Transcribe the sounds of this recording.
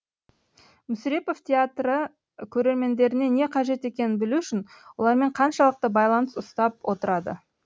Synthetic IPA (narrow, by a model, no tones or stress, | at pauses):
mʏsɾe̞po̞ft̪ʲʰeat̪ɾə | kʲʰɵɾe̞ɾme̞nd̪e̞ɾɪne̞ne̞qʰɑʒe̞t̪e̞kʲe̞nɪnbɪluʏʃɪnwo̞lˠɑɾme̞ɴqʰɑnʃɑlˠəq̚t̪əbɑjlˠɑnəsʊst̪ɑp̚wʔo̞t̪əɾɑd̪ə̰